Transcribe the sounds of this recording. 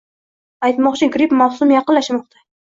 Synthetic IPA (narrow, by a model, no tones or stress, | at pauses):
ajt̪mɒqt͡ʃʰɪɡɾipmawsʊmjɑqɨnlaʃmɒq̚t̪ʰḁ